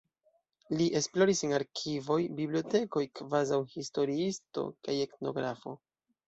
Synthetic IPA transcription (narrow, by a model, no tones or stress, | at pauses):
liʔe̞splo̞ɾisenaɾkʰivo̞jbiblio̞te̞ko̞jkvazawhisto̞ɾiisto̞̰kaje̞kno̞̰ɡɾafo̞̰